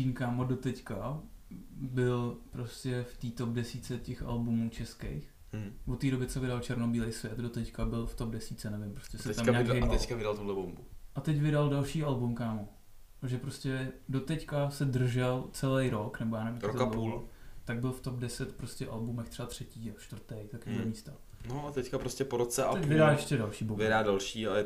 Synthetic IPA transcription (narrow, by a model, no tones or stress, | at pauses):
iːnkaːmodot̪ɛcka | bɪlpɾoscɛft̪iːt̪op̚dɛsiːt͡sɛcɛxa̰lbumuːt͡ʃɛskḛjx | vot̪ːiːɾo̞bɪt͡sɛvɪdalt͡ʃɛɾnobiːlejsvʲjɛt̪dot̪ɛckabɪlft̪ob̚dɛsiːt͡sɛnɛvɪmpɾoscɛsɛɛt̪amɲaːkeɛkavɪdalt̪odlɛbombuʔat̪ɛcvɪdaldalʃiːalbumkaːmo | aʒɛpɾoscʲɛdot̪ɛckasɛdr̩ʒɛlt͡sɛlejɾoknɛbojaːnɛviɾokauːlt̪aɡ̚bɪlft̪opdɛsɛt̪pɾoscʲɛʔalbumɛxt̪r̥ɛbat̪r̝̥ɛciːaʃt̪vrt̪ejt̪akiːlɛmiːst̪a | noat̪ɛckapɾoscɛpoɾot͡sɛʔaɛcvɪdajɛʃcɛdalʃiːbomvɪdaːdalʃia